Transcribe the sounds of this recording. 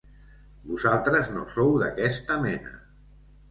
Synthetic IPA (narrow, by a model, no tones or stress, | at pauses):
buzalˠt̪ɾəzno̰sowðə̰kɛst̪əmɛnə̰